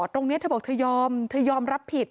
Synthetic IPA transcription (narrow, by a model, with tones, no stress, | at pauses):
t̪ɾo˧ŋni˦˥t̪ʰːbɔː˨˩t̪ʰɤː˧jɔː˧mt̪ʰɤː˧˩jɔː˧mɾa˦˥pʰːi˨˩t̪̚